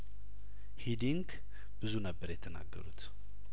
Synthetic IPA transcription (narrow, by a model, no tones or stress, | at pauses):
hid̪iŋɡ | b̥ɨzunəbːəɾjɛt̪ʰəna̰ɡːə̰ɾut̪